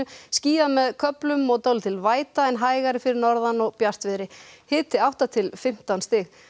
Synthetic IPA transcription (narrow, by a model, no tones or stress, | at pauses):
ʏsciːamɛðkʰœplʏmɔɣt̪owlt̪ʰɪlvaːjt̪aɛnɦaːjɣaɾɪfɪɾɪɾnɔɾðanɔɣpjar̥t̪vɪðɾɪhɪːt̪ɪawht̪at̪ʰɪlfɪm̥t̪awnst̪ɪx